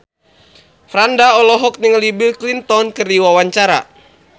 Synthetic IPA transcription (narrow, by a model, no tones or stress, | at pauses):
fɾandaɔlɔɦɔk̚niŋəlibilklint̪ɔnkɨrdiwawaɲt͡ʃaɾa̰